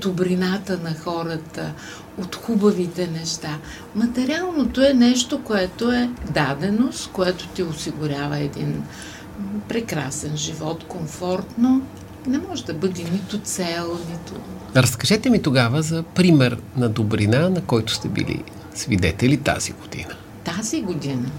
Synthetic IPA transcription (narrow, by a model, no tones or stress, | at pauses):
d̪̥ʊbɾinat̪ənɐxɔɾət̪ə | ot̪xubɐvit̪ɛnɛʃt̪a | mɐt̪ɛɾialˠnot̪oɛnɛʃt̪okoɛt̪oɛd̪ad̪ɛnost̪koɛt̪o̥t̪ʲiosiɡʊɾʲavəɛd̪ḭn | pɾɛkɾa̰sɛnʒivɔt̪koɱfɔɾt̪no | nɛmɔʒɛd̪ɐbɤd̪init̪ʊt̪sɛlˠnit̪ʊ | ɾəskɐʒɛt̪ɛmit̪oɡavəzɐpɾimɛɾnɐd̪obɾinanɐkɔjt̪ʊ̥st̪ɛbḭlḭ | svḭd̪ɛt̪ɛlit̪a̰z̥ḭɡ̥od̪̥ḭnə | t̪aziɡod̪inə